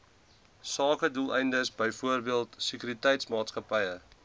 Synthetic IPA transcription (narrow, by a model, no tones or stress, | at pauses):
sɑːkədulˠɛjndəsbəjfuərbiəlˠtsəkyɾitɛjtsmɑːtskəpɛjə